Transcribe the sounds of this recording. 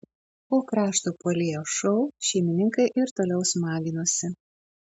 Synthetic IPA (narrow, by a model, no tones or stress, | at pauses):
poːkɾɑːʃt̪uːpoːlʲeːjoːʃɔʊʃʲɛɪmʲɪnʲɪŋkɐɪʔɪɾt̪oːlʲɛʊsmɑːɡʲɪnoːsʲɪ